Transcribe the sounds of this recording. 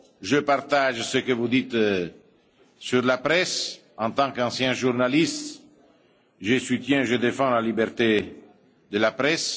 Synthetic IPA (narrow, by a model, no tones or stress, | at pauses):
ʒəpart̪aʒsəkəvud̪it̪ | syɾlapɾɛs | ɑ̃nt̪ɑ̃kɑ̃sjɛ̃ʒurnalist̪ | ʒəsut̪jɛ̃eʒəd̪efɑ̃lalibɛrt̪e | d̪əlapɾɛs